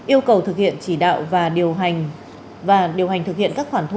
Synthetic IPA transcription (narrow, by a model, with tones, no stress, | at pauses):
ʔi˧əwkə˨˩wt̪ʰɨ˨˩k̚hḭ˧˨ənt͡ɕi˧˩ɗa̰ː˧˨wvaː˨˩ɗi˨˩əwŋ | vaː˨˩ɗi˨˩əwɦa˨˩ŋ̟t̪ɨ˨˩k̚hḭ˧˨ənkaː˦˥k̚xwaː˧˩nt̪ʰ